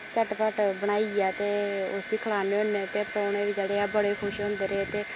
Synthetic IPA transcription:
t͡ʃəʈpəʈbəɽ̃aːiaːt̪eːʊsiːkʰəlaːneːõːnːeːt̪eːpɾoːɽeːʋɪd͡ʒeɽeːaːbəɽeːkʰʊʃõːnd̪eːɾeet̪eː

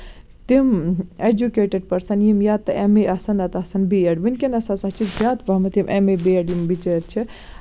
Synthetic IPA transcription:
t̪imed͡ʒukeʈeɖ̚pɐɾsɐnjimjat̪ɐʔemeʔɐsɐnɐt̪ɐsɐnbiɐɖʋinʲkinɐsasɐɦt͡ʃʰizjaːt̪pɐɦmɐt̪imʔemebiɐɖjimbit͡ʃeɾt͡ʃʰi

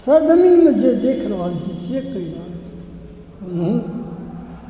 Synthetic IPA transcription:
səɾd͡ʒəminmẽd͡ʒed̪ekʰɾbalt͡ʃʰit͡ʃʰekəila

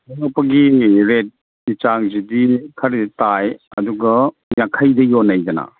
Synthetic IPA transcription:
ɔnɔpɐɡiɾet̚ | nit͡ʃaŋzidikʰɐɾeditajɐ̰duɡɐ | jakʰɐjdɐjɔnɐjd͡ʒɐna̰

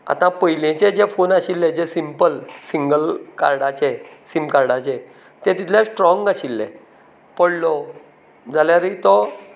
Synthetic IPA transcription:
a̰t̪ãpəjlẽt͡ɕẽd͡ʑɛfonaɕilːɛ̃d͡ʑɛsimpəlsiŋɡəlka̰ɾɽat͡ɕɛsimkaɾɽat͡ɕɛ | t̪ɛ̃t̪it̪ʰljasʈɾɔ̃ŋɡaɕilːɛ̰̃ | pəɽlɔ | d͡zaljaɾit̪ɔ

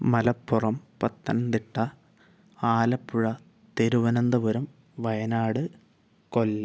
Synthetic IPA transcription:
mɐlɐpːurɐmpɐt̪ːɐnɐmnt̪iʈːɐ | aːlɐpːuɻɐ | t̪eɾuʋɐnɐnd̪ɐʋɐɾɐm | ʋɐjɐnaːɽɨ | kolːɐ

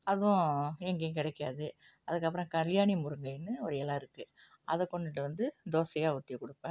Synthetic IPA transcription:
ɐðʊ̃ɛŋɡɐj̃kɪɽɛkːɪaːðɯ | ɐðɯkːɐp̬ːɯɾõkɐljaːnimʊɾɯŋɡɐɪnːɯɔɾɯɛlːaːɪɾɯkːɯ | ʔɐðɯkːɔɳɖɪʈːɯʋɐnd̪ɯd̪oːsɐjaːʊt̪ːɪjɐkʊɽɯpːɛ̃ː

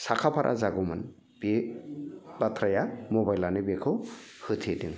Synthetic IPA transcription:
sakʰapʰaɾʔa̰zaɡumɯn | b̥e | batʰɾajamɔbajlanɯbekʰɯ | hɯtʰediŋ

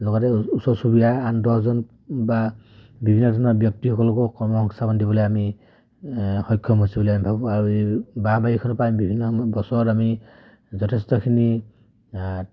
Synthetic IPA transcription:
lɔɡɔtɛusɔsubidaandɔszɔn | ba | bibʱinːɔdʱɔnɔɹbjɔk̚tihɔkɔlɔkɔkɔmɔɦɔŋsabɔndibɔlojami | hɔjkʰːɔmɦosibɔlojamibʱabɔaɹubabajikʰɔnɔpajmbibʱinːɔbɔsɔɹɔtami | zɔtʰestɔkʰini

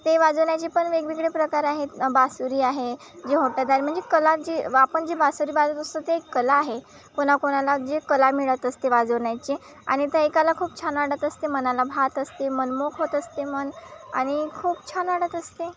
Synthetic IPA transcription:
t̪eʋad͡zəʋɳjat͡ɕipəɳʋeɡʋiɡɭepɾəkaɾaɦebasuɾiːaɦe | d͡ʑeɦot̪jat̪aɾim̤əɳd͡zekəlat̪̚d͡ʑeapəɳd͡ʑebasuɾiːbad͡zət̪əst̪ət̪eːkːəlaːɦe | koɽ̃akoɽ̃alad͡ʑekəlamiɭət̪əst̪eʋad͡zəʋɳjat͡ɕe | a̰ɽ̃it̪eekəlakʰuːp̚t͡ɕʰanʋaɽət̪əst̪emənalabʱat̪əst̪emənmokʰɦot̪əst̪eməna̰ɽ̃ikʰuːpt͡ɕʰanʋaɽət̪əst̪e

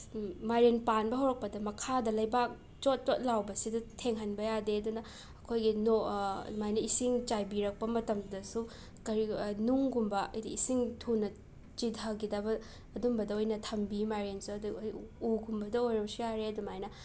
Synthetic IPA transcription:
majɾenpanbɐɦɐwɾɐk̚pɐdɐmɐkʰadɐlɐjbak̚ | t͡ʃot̚t͡ʃot̚lawbɐsidɐtʰeŋɦɐnbɐjadeɐdunɐ | ɐkʰojɡinomajnɐisiŋt͡ʃajbiɾɐk̚pɐmɐtɐmdɐsu | kɐɾinuŋɡumbɐɐ̰jdiisiŋtʰunɐ | t͡ʃitɦɐɡidabɐː | dumbɐdɐojnɐtʰɐmbimaɾensuɐduuɡumbɐdɐojɾɐpsujaɾeɐdumajnɐ

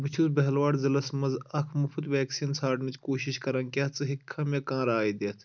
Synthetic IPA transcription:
bɨt͡ʃʰuzbɐɦlʋaːɽzɐlɐsmɐzɐkʰmɐfʰut̪ʋɛːksiːnsʰaːʈnit͡ʃkoːʃiʃkɐɾɐnkʲɐːt͡sɨɦikʰːɐ̃mekãːɾaːid̪eːt̪ʰ

